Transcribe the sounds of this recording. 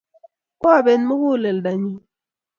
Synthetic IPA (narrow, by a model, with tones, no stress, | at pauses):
kɔ˦a˦˨be˨nmɨ˦hu˦˨le˨lda˨ɲi˦